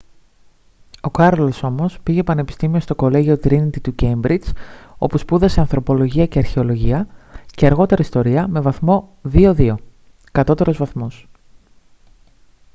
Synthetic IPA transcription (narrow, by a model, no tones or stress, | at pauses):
o̞kɐɾoloso̞mo̞spiʝe̞pɐne̞pi̥st̪imio̞st̪o̞ko̞le̞ʝio̞t̪ɾinit̪it̪uce̞mbɾit͡so̞puspuðɐse̞ɐnθɾo̞po̞lo̞ʝiɐce̞ɐɾçe̞o̞lo̞ʝiɐce̞ɐɾɣo̞t̪e̞ɾɐist̪o̞ɾiɐmevɐθmo̞ðioðio̞ | kɐt̪o̞t̪e̞ɾo̞zvɐθmo̞s